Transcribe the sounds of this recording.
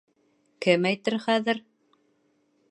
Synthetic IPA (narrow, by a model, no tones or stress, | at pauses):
kɘmæjt̪ɘɾχæðɘ̆ɾ